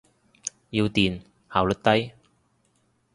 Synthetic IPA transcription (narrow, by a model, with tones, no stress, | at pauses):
jiː˧wt̪iː˨n | haː˨˩wlɵ˨˩t̪ɐ˥j